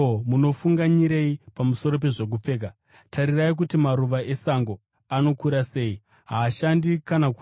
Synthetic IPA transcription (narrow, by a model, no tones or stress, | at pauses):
muno̞fuŋɡaɲiɾe̞ipamuso̞ɾo̞p̬e̞ʐe̞k̬up͡fe̞ːka | tʰaɾiraik̬utimaɾuʋaʔe̞saŋɡo | ano̞kuɾase̞ːi | ɦaːʃandikanaku